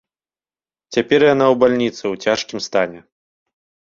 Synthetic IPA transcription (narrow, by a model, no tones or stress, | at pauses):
t͡sʲapʲɛrjanawbalʲnʲit̪sɨwt͡sʲaʂkʲimst̪anʲɛ